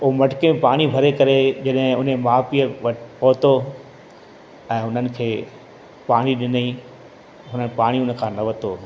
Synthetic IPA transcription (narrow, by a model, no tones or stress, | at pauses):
ʊomɐʈkemẽpaːɽ̃ibʱɐɾekɐɾed͡ʑɐɗɦɪ̃ʊnemaːpiəʋɐʈpɐɦʊt̪o | ɛ̃ːɦʊnənɪ̆kʰeː | paːɽ̃iɗɪnəi | ɦʊnənpaːɽ̃iʊnəkʰãːnɐʋɐt̪oː